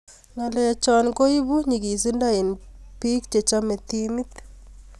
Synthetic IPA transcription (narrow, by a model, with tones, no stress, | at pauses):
ŋa˨lɛ˦ja˨t͡ʃɔ˦nko˦i˦bu˦ɲi˨ki˨si˦nda˦i˨npi˦k̚t͡ʃe˨t͡ʃa˦me˨t̪imi˦t̪